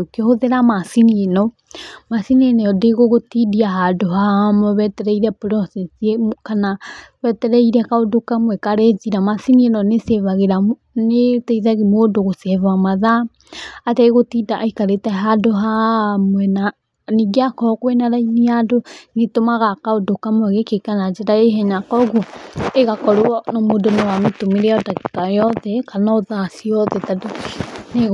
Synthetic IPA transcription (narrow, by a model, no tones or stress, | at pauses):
okehoðeɾamasininɔ | masininɔɔdeɣoɣotidiaɦadoɦamɔβɛtɛɾɛiɾapɾɔsɛnsiekanaβɛtɛɾɛiɾakaodokamwɛkaɾɛt͡siɾamasinienɔnesɛβaɣeɾa | netɛiðaɣimodoɣosɛβamaðaː | tɛeɣotidaʔaikaɾetaɦadoɦamwɛna | niɡiakɔkwenaɾainiadoɡitomaɣakaodokamwɛɣekekanad͡ʒeɾaeɦɛɲakɔɣueɣakɔɾoɔnomodonowametomiɾɛɔdakikajɔðɛkanaoðasiɔðɛtadone